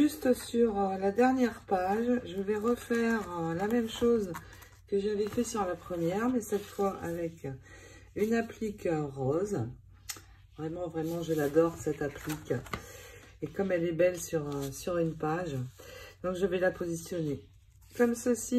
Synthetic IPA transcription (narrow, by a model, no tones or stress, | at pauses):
ʒyst̪syʁəlad̪ɛʁnjɛʁpaʒʒəvɛʁəfɛʁlamɛmʃoz | kəʒavɛfɛsyʁlapχəmjɛʁmɛsɛt̪fwaʔavɛk | ynaplikʁɔz | vʁɛmɑ̃vʁɛmɑ̃ʒəlad̪ɔʁsɛt̪aplik | ekɔmɛlɛbɛlsyʁsyʁynpaʒd̪̥ɔ̃kʒəvɛlapozisjɔne | kɔmsəsi